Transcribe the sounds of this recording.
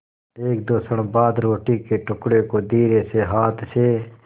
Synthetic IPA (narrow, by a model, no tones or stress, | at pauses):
eːk̚d̪oːsəɽbaːd̪ɾoːʈikeʈʊkɽekod̪iːɾeseɦaːt̪ʰse